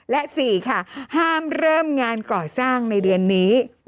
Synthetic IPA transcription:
lɛ˦˥ʔsiː˨˩kʰa˥˩haː˥˩mɾɤː˥˩mŋaː˧nkɔː˨˩saː˥˩ŋna˧jdɯ˧ənːiː˦˥

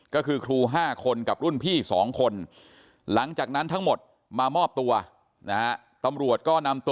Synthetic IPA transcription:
kɔː˥˩kʰɯː˧kʰɾuː˧ɦaː˥˩kʰo˧nka˨˩p̚ɾu˥˩npʰiː˥˩sɔː˩˦ŋkʰo˧n | la˩˦ŋt͡ɕaː˨˩k̚na˦˥nt̪ʰa˦˥ŋmo˨˩t̪̚ | maː˧mɔː˥˩p̚t̪u˧ɐ | na˦˥ha˦˥ | t̪a˧mɾu˨˩ət̪̚kɔː˥˩na˧mt̪

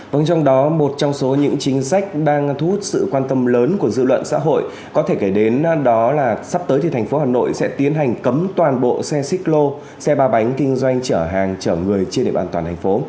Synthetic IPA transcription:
və̰˧˩nt͡ɕɔ˧wŋ͡mɗɔ˨˦mo˨˩t̚t͡ɕɔ˧wŋ͡mso˨˦ɲɨ̰˧˥ŋt͡ɕï˨˦ŋ̟sa˦˥jk̟̚ɗaː˧ŋt̪ʰu˦˥t̚sɨ̰˧˨kwaː˧nt̪ə˧mləː˨˦nku˧˩əzɨ̰˧˨lwə̰˧˨nsa̰ː˧˥ɦo̰˧˨j | kɔ˨˦t̪ʰe˧˩ke˧˩ɗe˨˦nɗɔ˨˦laː˨˩sa˦˥p̚t̪əː˨˦jt̪ʰi˨˩t̪ʰjŋ̟fo˨˦haː˨˩no̰˧˨jsɛ̰˧˥t̪i˨˦ənɦa˨˩jŋ̟kə˨˦mt̪waː˨˩nɓo̰˧˨sɛ˧sï˦˥k̚lo˧ | sɛ˧ɓaː˧ɓa˨˦jŋ̟kï˧ŋ̟zwa˧jŋ̟t͡ɕəː˧˩ɦaː˨˩ŋt͡ɕəː˧˩ŋɨ˨˩əjt͡ɕe˧nɗḛ˧˨ɓaː˨˩t̪waː˨˩t̪ʰa˨˩ŋ̟fo˨˦

